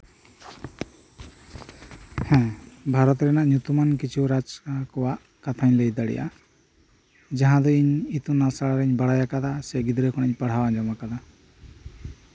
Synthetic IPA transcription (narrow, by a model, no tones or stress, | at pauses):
hɛ̃bʱaɾɔt̪ɾɛnaʔɲjut̪umankit͡ʃʰiwɾad͡ʒkakɔwaʔ | kat̪ʰaɲlejd̪aɽḭjʔa̰ | d͡ʒaɦãd̪ɔiɲit̪unasaɭaɾɛɲbaɽajakad̪asɛɡid̪ɾɛkʰɔɽ̃aɲpaɽ̤awaɲd͡ʒɔmakad̪a